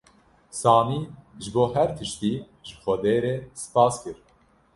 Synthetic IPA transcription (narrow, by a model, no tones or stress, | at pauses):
sɑːmiːʒɨboːhɛɾt̪ʰɨʃt̪iː | ʒɨxɛd̪eːɾeːsɨ̥pɑːskɨɾ